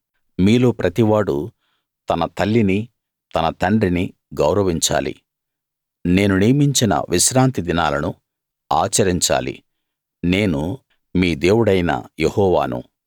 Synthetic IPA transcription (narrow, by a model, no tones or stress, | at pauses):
miːlo̞ːpɾɐt̪iʋaːɽu | t̪ɐnɐt̪ɐlːini | t̪ɐnɐt̪ɐɳɖɾini | ɡɐwɾɐʋiɲt͡ʃa̰ːlḭ | ne̞ːnuniːmiɲt͡ʃinɐ̰ʋiʃɾaːnt̪id̪inaːlɐnu | aːt͡ʃɐɾiɲt͡ʃa̰ːlḭ | ne̞ːnu | miːd̪e̞ːwuɽɐjnɐ̰jehɔːʋa̰ːnṵ